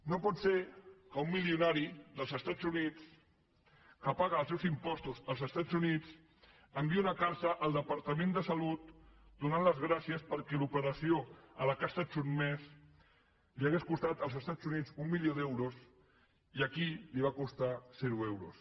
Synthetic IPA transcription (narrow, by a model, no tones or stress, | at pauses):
nopɔt̪seɾkəumːiliunaɾiðəlˠzəst̪ad͡zunit͡s | kəpaɣəːlˠsɛwzimpɔst̪uzəlˠzəst̪ad͡zunit͡s | əmbiunəkaɾsəʔːlˠd̪əpəɾt̪əmẽnd̪əsəlut̪̚d̪unanləzɣɾasiəspəɾkɛlupəɾəsioələkasət͡ʃunmɛs | liəɣeskust̪at̪əlˠzəst̪ad͡zunid͡zumːilioðɛwɾus | iəkiliβ̞akust̪azɛɾuewɾṵs